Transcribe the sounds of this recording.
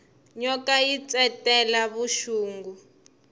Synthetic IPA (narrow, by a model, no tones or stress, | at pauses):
ɲɔkajit͡sɛtɛlaβuʃuːŋɡu